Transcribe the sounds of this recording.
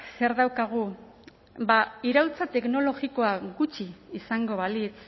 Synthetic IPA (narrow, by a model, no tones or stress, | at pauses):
se̞ɾðawkaɣ̞u | baiɾawt͡sat̪e̞kno̞lo̞ɣiko̞aɡut͡ʃiːsaŋɡo̞βalit͡s